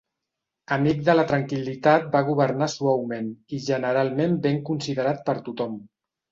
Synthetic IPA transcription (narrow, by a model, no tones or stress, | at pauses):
əmik̚d̪ələt̪ɾəŋkilit̪at̪̚baɣ̞uβ̞əɾnaswawmeniʒənəɾalˠmembeŋkunsiðəɾat̪̚pəɾt̪ut̪ɔm